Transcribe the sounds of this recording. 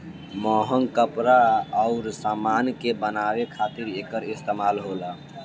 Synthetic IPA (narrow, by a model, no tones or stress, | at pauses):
mɔɦəŋkəpɾaɔʊɾsamankebənaʋekʰat̪iɾekəɾist̪emaːlɦola